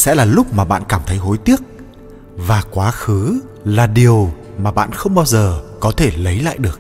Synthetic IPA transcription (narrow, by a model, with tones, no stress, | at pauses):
sɛ̰˧˥laː˨˩lʊ˦˥k͡p̚maː˨˩ɓa̰ː˧˨nkaː˧˩mt̪ʰə˨˦jɦo˨˦jt̪i˦˥ək̚ | vaː˨˩kwaː˨˦xɨ˨˦ | laː˨˩ɗi˨˩əw | maː˨˩ɓa̰ː˧˨nxə˧wŋ͡mɓaː˧wzəː˨˩kɔ˨˦t̪ʰe˧˩lə˨˦jla̰ː˧˨jɗɨ˨˩ək̚